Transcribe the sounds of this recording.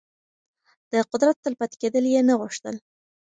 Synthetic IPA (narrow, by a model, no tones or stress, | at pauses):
d̪̥əqʊd̪ɾat̪ːəlpat̪ked̪əljenaɣʊʂt̪ə̰l